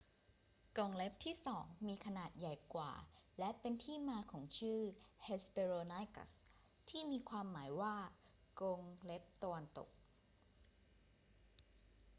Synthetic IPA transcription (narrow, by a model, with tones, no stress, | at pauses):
ko˧ŋle˦˥p̚t̪ʰiː˥˩sɔː˩˦ŋmiː˧kʰa˧naː˨˩t̪̚ja˨˩jkwa̰ː˨˩lɛ˦˥pe˧nt̪ʰiː˥˩maː˧kʰɔː˩˦ŋt͡ɕʰɯː˥˩he˦˥speː˧ɾoː˧na˦˥jka̰˧˩s | t̪ʰiː˥˩miː˧kʰwaː˧mːaː˩˦jwaː˥˩ | ko˧ŋle˦˥p̚t̪a˧wa˧nt̪o̰˨˩k̚